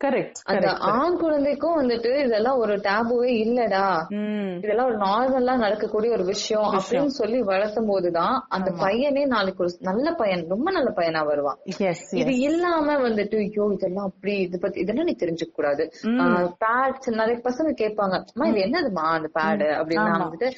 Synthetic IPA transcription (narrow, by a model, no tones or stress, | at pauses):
kɐɾɛk | ʔɐ̰nd̪ɐʔaːnkʊɻɐnd̪ɛkːʊ̃ʋɐnd̪ɯʈːɯɪðɛlːãːɔɾɯʈaːbɯʋeːɪlːɐɽaː | ɪðɛlːãːɔɾɯnaːɾmɐllãːnɐɽɐkːɐkːuːɽijɐɔɾɯʋɪʂɐjɔ̃ɐpːɐɽinːɯsɔlːiʋɐɻɐɾt̪ːɯmpoːðɯt̪ãːɐnd̪ɐpɐjɐneːnaːlɪkːɯɔɾɯnɐlːɐpɐjɐnɾɔmbɐnɐlːɐpɐjɐnaːʋɐɾɯʋãːɪðɯɪlːaːmɐʋɐnd̪ɯʈːɯjoːɪðɛlːãːɐpːɐɽiɪðɯpɐt̪ːiɪðɛlːãːniːt̪ɛɾɪɲd͡ʒɐkːɐkːuːɽaːðɯpaːʈsnɐlɐpɐsɐ̃ŋɡɯkeːʈ̚paːŋɡɐɐmːaːɪðɯɛnːɐðɯmaːɐnd̪ɐpaːɽɐ̰pːɐɽɪnːaʋɐnd̪ɯʈːɯ